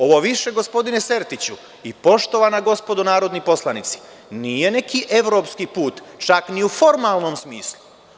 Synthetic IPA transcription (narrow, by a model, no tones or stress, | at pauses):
o̞ʋoʋiʃe̞ɡo̞spo̞d̪ine̞se̞ɾt̪it͡ɕu | ipo̞ʃt̪o̞ʋanaɡo̞spo̞d̪onaːɾo̞d̪nipo̞slˠanit̪si̥ | nije̞ne̞kiʔe̞ʋɾo̞pskipuːt̪t͡ʃakniufo̞ɾmaːlˠno̞msmiːslˠu